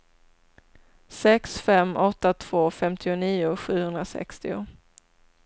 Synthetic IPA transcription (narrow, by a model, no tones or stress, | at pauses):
sɛksfɛmːʔɔt̪ːat̪ʰv̥oːfɛmt̪ʰɪʊniːʊɧʉ̟ːhɵnd̪ɾasɛ̰kst̪ɪʊ̰